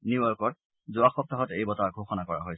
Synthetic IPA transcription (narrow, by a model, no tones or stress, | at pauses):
niɔɹkɔt̚ | zʊaxɔp̚taɦɔtejbɔtaɡʱoxɔnakɔɹa̰ɦoj